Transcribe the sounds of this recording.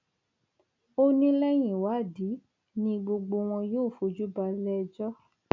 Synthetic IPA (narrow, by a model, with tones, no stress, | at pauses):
o˦nĩ˦lɛ˦j̃ĩ˨wa˨˦˨di˨˦ | nĩ˧ɡ͡bo˧ɡ͡bo˧w̃ɔ̃˧joː˦˨fo˧˨d͡ʒu˦ba˧lɛ˦˧d͡ʒɔ˦